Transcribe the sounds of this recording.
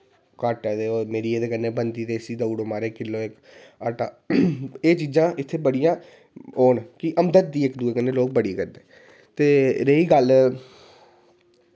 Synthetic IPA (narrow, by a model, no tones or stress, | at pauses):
kəːʈːd̪eːoːmeːɾiːeːd̪eːkənːeːbənd̪iːt̪eːsiːd̪auːɽoːmaːɾeːkɪlːoːɪk | əʈaː | eːt͡ʃiːd͡ʒãːʔɪt̪ʰːeːbəɽijãː | oːnkɪʔəmd̪ət̪̚d̪iːɪkd̪uːeːkənːeːloːk̚bəɽiːkəɾd̪eː | t̪eːɾeiːɡəl